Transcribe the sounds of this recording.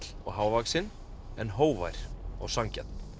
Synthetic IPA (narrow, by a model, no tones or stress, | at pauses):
l̥ɔ̰ɣɦaːwvaksɪn | ɛnɦoːwva̰jɾ̥ɔ̰ɣsaŋcɛ̰t̪n